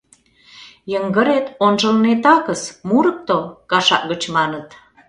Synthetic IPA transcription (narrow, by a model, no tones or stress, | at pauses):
jəŋɡəɾet̪onʒə̆lnet̪ɑkəsmuɾə̆k̚t̪okɑʃɑ̰ʔɡət͡ɕmɑnət̪